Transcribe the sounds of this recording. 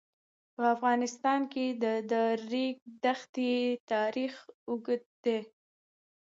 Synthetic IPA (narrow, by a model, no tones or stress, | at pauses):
pəafɣɑnɪst̪ɑnked̪əd̪əɾːiɡ̚d̪axt̪it̪ɑɾixʊɡəd̪̚d̪e